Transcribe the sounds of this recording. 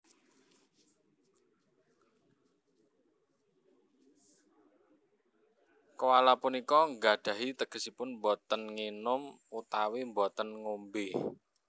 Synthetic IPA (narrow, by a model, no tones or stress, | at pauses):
kəwalapunikɔŋɡaɖ̪̥ä̤ɦit̪əɡ̥ə̤sipʊnmbɔt̪ənŋinʊm | ut̪awimbɔt̪ənŋombɪh